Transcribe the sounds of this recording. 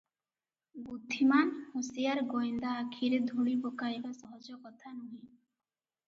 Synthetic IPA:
bud̪ʱːimanhosijaɾɡojnd̪aːkʰiɾed̪ʱuɽibokaibasɔɦod͡ʒokɔt̪ʰanoɦi

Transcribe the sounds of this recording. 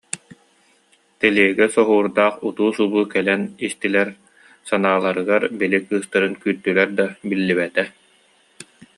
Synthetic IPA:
t̪ɛliɛɡɛsɔɦuːɾd̪aːχut̪uːsubuːkɛlɛnist̪ilɛɾ | sanaːlˠaɾɯɡaɾbilikɯːst̪aɾɯnkyːɾt̪ːylɛɾd̪abilːiβɛt̪ɛ

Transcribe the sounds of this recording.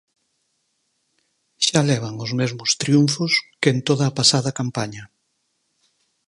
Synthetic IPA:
ʃalɛβ̞aŋʊzmezmʊst̪ɾiuɱfʊskent̪oðɐːpasaðɐkampaɲɐ

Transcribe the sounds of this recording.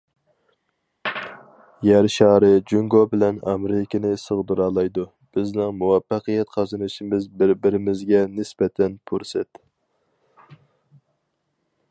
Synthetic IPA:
jæɾʃɑːɾɨd͡ʒuŋɡobɪlɛnɑ̰meɾɪkʲɪnɪsɨʁd̪uɾɑːlˠɑjd̪u | b̥ɪznɪŋmuwɑfːɑqɨjɛt̪qʰɑzɨnɨʃimɪzbɪɾbɪɾɪmɪzɡʲɛnɪsbɛt̪ʰɛnpʰuɾsɛt̪

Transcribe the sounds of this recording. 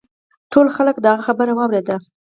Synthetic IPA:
ʈʰolxaləkd̪əaɣaxabəɾawɑwɾed̪a

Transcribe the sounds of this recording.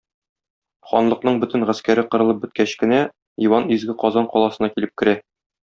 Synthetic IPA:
χɒnlˠɤ̆qnɤɴbɵt̪ɘ̆nʁæskæɾɘqɤ̆ɾɤ̆lˠɤp̚bɵ̆t̪̚kæɕkɘ̆næ | iwɑnizɡɘqɒzɑɴqɒlˠɑsɤ̆nɑkilɘp̚kɘ̆ɾæ

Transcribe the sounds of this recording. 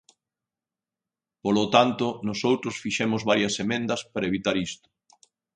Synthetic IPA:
polot̪ant̪ʊnosowt̪ɾʊsfiʃɛmʊzβaɾjɐsemẽnd̪ɐspaɾɐeβit̪aɾist̪ʊ̥

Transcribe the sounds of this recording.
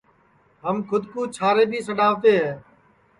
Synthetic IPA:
ɦəmkʰʊd̪kuːt͡ʃʰaːɾeːbʱiːsəɗaːʋt̪eːɦɛː

